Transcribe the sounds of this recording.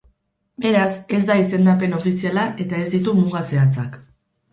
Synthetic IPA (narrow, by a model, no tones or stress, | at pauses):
be̞ɾase̞zd̪aise̞nd̪ape̞no̞fisialaʔe̞t̪ae̞zd̪it̪umuɣase̞at͡sak